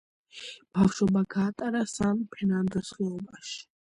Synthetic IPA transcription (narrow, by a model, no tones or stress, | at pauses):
b̥afʃɔbaɡaːt̪ʼaɾasampʰɛnand̪ɔsχɛɔbaʃi̥